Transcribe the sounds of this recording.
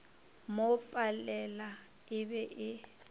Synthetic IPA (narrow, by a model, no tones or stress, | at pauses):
mopʼalɛla | ɪbɛʔɪ